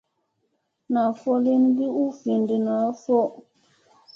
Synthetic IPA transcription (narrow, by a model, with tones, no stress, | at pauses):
na˨fɔ˦li˦nbi˦u˦fi˨ndi˨na˨˦fɔ˦˨